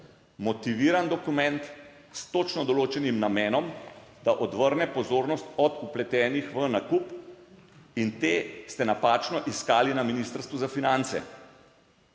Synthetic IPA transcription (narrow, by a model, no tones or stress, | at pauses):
mɔt̪iʋiːɾand̪ɔkumɛnt̪ | st̪oːt͡ʃnɔd̪ɔloːt͡ʃɛnimnamɛːnɔmd̪̥aʔɔd̪ʋəɾnɛpɔzoːɾnɔst̪ɔd̪uplɛt̪ɛːnixʋənakup | int̪eːst̪ɛnapaːt͡ʃnɔʔiskaːlinaminist̪əɾst̪ʋuzafinant̪sɛ̰